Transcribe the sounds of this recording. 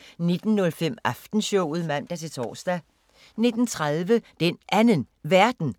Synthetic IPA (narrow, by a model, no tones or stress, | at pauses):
ne̝d̥n̩ːɔ̽lfem̰ʔɑfd̥n̩ɕɔʊ̰ð̞̩ˠmæn̰d̥æt͡sʰe̝t͡sʰɒ̰ːsd̥æ | ne̝d̥n̩t͡sʰʁaðˠʋəd̥enʔænənʋæɐ̰d̥n̩